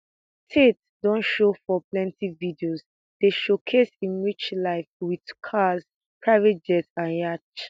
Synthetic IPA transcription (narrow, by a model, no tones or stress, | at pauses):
tʰet | dɔ̃nʃofɔplɛ̃ntividioz | d̥eʃokʰesĩnɹit͡ʃlaɪfwidkʰaz | pʰɹaɪvɛt̚d͡ʒɛtãnjat͡ʃ